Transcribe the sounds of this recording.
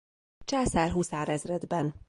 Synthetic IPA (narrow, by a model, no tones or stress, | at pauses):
t͡ʃaːsaːrɦusaːɾɛzrɛd̪bɛn